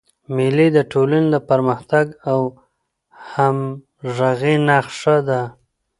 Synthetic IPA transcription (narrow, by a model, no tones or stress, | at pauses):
mɪlid̪əʈʰolaned̪əpəɾməxt̪aɡaw | ham | ʐaɣenaxʂəd̪a